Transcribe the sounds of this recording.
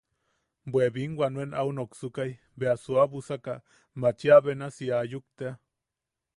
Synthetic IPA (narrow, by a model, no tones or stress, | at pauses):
bweβiŋɡwʷanuenʔaunoksukaj | beasuaβusaka | mat͡ʃiaβenasiajuk̚t̪ea